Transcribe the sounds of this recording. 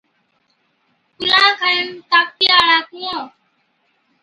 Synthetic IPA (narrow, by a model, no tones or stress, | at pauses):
kʊlãːkʰaent̪aːk̚tiːaːɭaːkũːãː